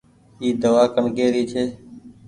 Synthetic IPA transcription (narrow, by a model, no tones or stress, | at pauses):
iːd̪əʋaːkəɳkeːɾiːt͡ʃʰeː